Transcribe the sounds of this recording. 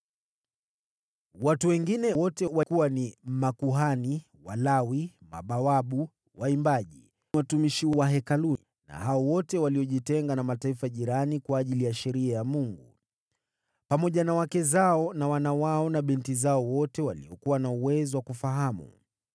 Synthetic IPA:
watuwɛŋɡinɛwɔtɛwakuwanimakuɦani | walawima̰ɓawaɓu | waimbaʄi | watumiʃiwaɦɛkalu | na̰haɔwɔtɛwaliɔʄitɛŋɡanamataifaʄiɾanikwaːʄilijaʃɛɾiajamuŋɡu | pamɔʄanawakɛzaɔnawanawaɔnaɓintizaɔwɔtɛwalḭɔkuwanauwɛzɔwakufaɦamṵ

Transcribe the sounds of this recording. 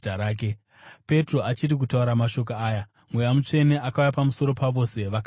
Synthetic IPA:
aɾaːk̬e | pe̞tro̞at͡ʃirik̬utauɾamaʃo̞k̬oaːja | mwejamut͡ʂe̞ne̞ʔakaujapamuso̞ɾo̞paʋo̞se̞ʋak

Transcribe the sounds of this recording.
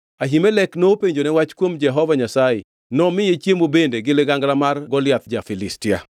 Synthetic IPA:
aɦimɛlɛknopeɲd͡ʒonɛwat͡ʃkwomd͡ʒɛɦɔvaɲasajɪ | nɔmɪjet͡ʃjemobendeɡɪleɡaŋɡlamarɡɔlɪjat̪̚d͡ʒafɪlɪstɪa̰

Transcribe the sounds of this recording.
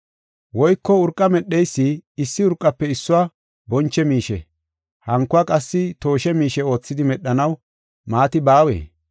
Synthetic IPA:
wɔjkːɔʊɾkʼːɐmɛɗːɛjsːiɪsːɪʊɾkʼːɐpːɛɪsːʊwa | bɔnt͡ʃːɛmiːʃɛ̰ | hɐŋkːʊakʼɐsːɪt̪o̞ːʃɛmiːʃɛo̞ːt͡sːɪd̪ɪmɛɗːɐnɐw | maːt̪ɪbaːwḛː

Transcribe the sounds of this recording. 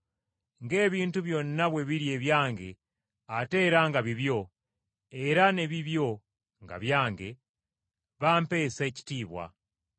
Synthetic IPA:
ŋɡe̞ːβiːntuβjo̞ːninaβwe̞βiɾje̞ːβjaːŋɡe̞ | ate̞ːɾaŋɡaβiβjo̞ | e̞ɾane̞βiβjo̞ | ŋɡa̰βjaːŋɡe̞ | βampe̞ːseːci̥tiːβwa̰

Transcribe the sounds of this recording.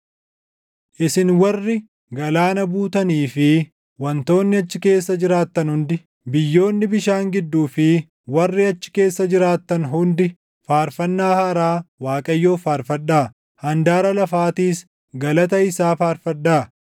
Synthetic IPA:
ʔɪsɪnwɐrːɪ | ɡɐlaːnɐbuːt̪ɐniːfɪ | wɐnt̪o̞ːnːɪɐt͡ʃːɪke̞ːsːɐd͡ʒɪɾaːt̪ːɐnhʊnd̪ɪ | bɪjːo̞ːnːɪbɪʃaːŋɡɪd̪ːuːfɪ | wɐrːɪɐt͡ʃːɪ̥ke̞ːsːɐd͡ʒɪɾaːt̪ːɐnɦʊnd̪ɪ | faːɾfɐnːaːhɐɾaːwaːkʼɐjːo̞ːfaːɾfɐᶑaː | hɐnd̪aːɾɐlɐfaːt̪iːs | ɡɐlɐt̪ɐɪsaːfaːɾfɐᶑaː

